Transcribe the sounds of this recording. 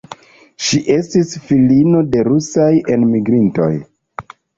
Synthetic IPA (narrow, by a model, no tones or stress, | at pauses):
ʃiʔe̞stisfilino̞de̞ɾusaje̞nmiɡɾinto̞̰j